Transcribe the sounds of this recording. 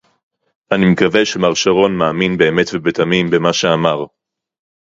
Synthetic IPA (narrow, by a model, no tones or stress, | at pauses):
ʔanimekave̞ʃemaʁʃaʁo̞nmaːminbe̞ːme̞tvebetamimbemaʃeamaʁ